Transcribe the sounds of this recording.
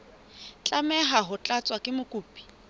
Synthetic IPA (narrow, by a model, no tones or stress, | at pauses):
t͡ɬʼamɛɦaɦʊt͡ɬʼat͡sʼwakʼɪmʊkʼuːpʼi̥